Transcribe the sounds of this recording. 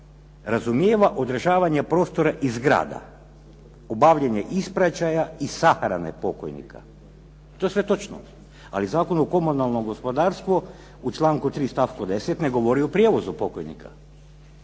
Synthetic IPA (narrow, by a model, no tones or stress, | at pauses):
ɾazumjeːʋaʔo̞d̪ɾaʒaːʋaɲapɾo̞ːst̪o̞ɾaʔizɡɾa̰ːd̪a̰ | obaʋʎeɲeʔispɾat͡ʃajaisaxɾa̰nḛpo̞ko̰jnḭkʰa̰ | t̪oesʋe̞t̪o̞t͡ʃno̰ | a̰lizaːko̞noko̞munalˠnoɡo̞spo̞d̪aːɾst̪ʋo | ut͡ʃlˠaːŋkut̪ɾiːst̪afkod̪e̞set̪neɡo̞ʋo̞ɾiopɾʲijeːʋo̞zupo̞kojnḭkʰa̰